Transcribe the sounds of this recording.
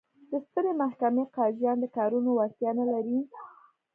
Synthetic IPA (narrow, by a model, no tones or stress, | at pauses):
d̪̥əst̪əɾemahkameqɑʒjɑnd̪əkɑɾunowast̪jɑnalaɾi